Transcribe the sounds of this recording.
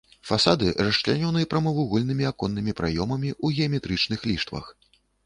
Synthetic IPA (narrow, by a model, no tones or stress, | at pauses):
fasad̪ɨrɐʂt͡ʂlʲanʲɔnɨjɐpɾɐmɐvuɣɔlʲnɨmʲiakɔnːɨmʲipɾajɔmɐmʲiʔuɣʲɛɐmʲɛt̪ɾɨt͡ʂnɨxlʲiʂt̪vɐ̰x